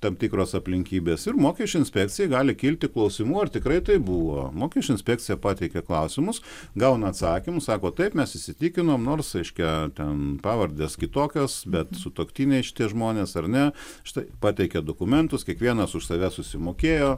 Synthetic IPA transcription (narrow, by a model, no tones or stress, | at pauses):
t̪ɐmt̪ʲiːkɾoːsɐpʲlʲɪŋʲkʲiːbʲeːsɪrmoːkʲɛʃt͡ʃʲʊɪnʲsʲpʲɛk̚t͡sʲɪjɛɪɡɑːlʲɪkʲiːlʲt̪ʲɪklˠɒʊsʲɪmuːɐrt̪ʲɪkɾɐɪt̪ɐɪbuːʋo̰ːmoːkʲɛʃt͡ʃʲʊɪnsʲpʲæːk̚t͡sʲɪjɛpɑːt̪ʲɛɪkʲɛklˠɐʊsʲɪmʊs | ɡɐʊnɐːt̪sɑːkʲɪmʊssɑːkoːt̪ɐɪpmʲɛsɪʃʲsʲɪt̪ʲiːkʲɪnoːmnoːrsɾʲɛɪʃʲkʲɛt̪ʲɛnpɑːʋɐɾʲd̪ʲeːskʲɪt̪oːkʲoːsbʲɛt̪sʊt̪oːkt̪ʲiːnʲɛɪʃʲɪ̥t̪ʲiɛʒmoːnʲeːsɐrnʲɛ | ʃʲɪ̥t̪ɐɪpɑːt̪ʲɛɪkʲɛd̪oːkʊmʲɛnt̪ʊskʲiɛkʋʲiɛnɐsʊʃsɐʋʲɛsʊsʲɪmoːkʲeːjoː